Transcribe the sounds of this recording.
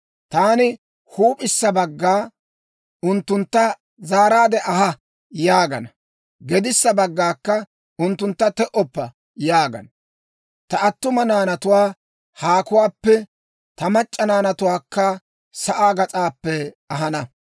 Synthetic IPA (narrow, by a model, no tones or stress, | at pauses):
t̪aːnɪ | huːpʼɪsːɐbɐɡːaː | ʊnt̪ːʊnt̪ːɐ | zaːɾaːd̪ɛʔɐɦɐ | jaːɡɐ̰nɐ | ɡɛd̪ɪsːɐbɐɡːaːkːɐ | ʊnt̪ːʊnt̪ːɐt̪ɛʔɔpːɐ | jaːɡɐ̰n | t̪ɐɐt̪ːʊmɐnaːnɐt̪ʊwaː | haːkʊwaːpːɛ | t̪ɐmɐt͡ʃʼːɐnaːnɐt̪ʊwaːkːɐ | sɐʔaːɡɐt͡sʼaːpːɛ | ɐɦɐnɐ